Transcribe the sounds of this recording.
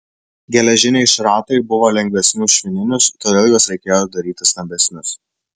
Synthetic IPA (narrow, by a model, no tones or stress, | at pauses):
ɡʲɛlʲɛʒʲɪnʲeɪʃɾɑːt̪ɐɪbʊʋoːlʲɛŋʲɡʲʋʲɛsʲnʲʊʃʲʋʲɪnʲɪnʲʊst̪oːd̪ʲeːlˠjuɔsɾʲɛɪkʲeːjod̪ɐɾʲiːt̪ʲɪst̪ɐmʲbʲɛsʲnʲʊs